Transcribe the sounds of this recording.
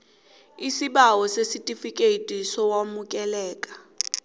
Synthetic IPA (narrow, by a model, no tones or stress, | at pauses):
isiɓawɔsesitʼifikʼetʼisɔwamukʼɛlɛːkʼḁ